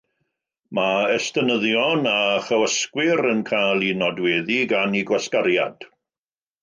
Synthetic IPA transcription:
maɛstənəðjɔnaχəwəskwɪɾənkʰajlˠinɔdweːðiɡaniɡwaskaɾja̰d̥

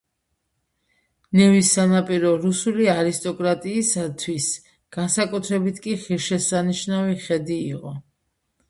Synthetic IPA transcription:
nɛvisːanapʼiɾɔɾusuliaɾist̪ʼɔkʼɾat̪ʼiːsat̪ʰwis | ɡ̥ansakʼut̪ʰɾɛbit̪ʰkʼiχiɾʃɛsaniʃnaviχɛd̪iːqʼɔ

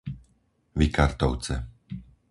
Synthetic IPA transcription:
ʋikaɾt̪ɔʊt͡sɛ̰

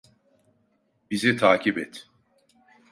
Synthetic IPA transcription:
bizɛt̪ʰaːcʰibɛt̪ʰ

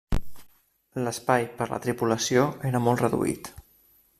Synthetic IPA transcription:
ləspajpəɾlə̰t̪ɾipuləsioeɾəmɔlˠt̪rəðṵḭt̪

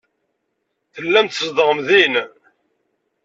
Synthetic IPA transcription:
θəlːæmt̪əzd̪əʁəmðin

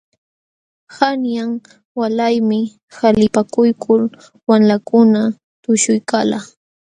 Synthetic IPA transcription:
hanjaŋ | walajmɪ | xalɪpakʊjkʰʊl | wamlakʊna | t̪ʊʃʊjkala

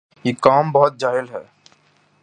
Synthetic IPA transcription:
jekaːmbəɦʊt̪̚d͡ʒaːɦɪlɦɛː

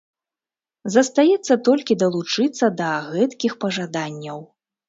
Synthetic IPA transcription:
zɐst̪ajɛt̪sːɐt̪ɔlʲkʲid̪ɐlˠut͡ʂɨt̪sːɐd̪ɐɣɛt̪kʲixpɐʐad̪anʲːɐw

